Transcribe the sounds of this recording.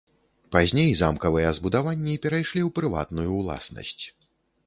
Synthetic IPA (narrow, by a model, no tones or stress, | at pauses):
pazʲnʲejza̰mkɐvɨjɛzbud̪avanʲːiipʲɛɾajʂlʲiwpɾɨva̰t̪nujulˠa̰snɐ̰sʲt͡sʲ